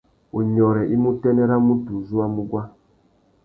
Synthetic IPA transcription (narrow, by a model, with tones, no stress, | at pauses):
u˨ɲɔ˨ɾɛ˨ʔi˦mu˦tɛ˦nɛ˦ɾa˦mu˦tu˨zu˦a˦mu˦ɡwa˦